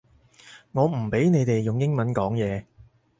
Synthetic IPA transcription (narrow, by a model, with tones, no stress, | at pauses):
ŋɔː˨˧m̩˨˩pe˨˥jne˨˧jt̪e˨jːʊ˨ŋjɪ˥ŋmɐ˨˦nkɔː˨˥ŋjɛː˨˧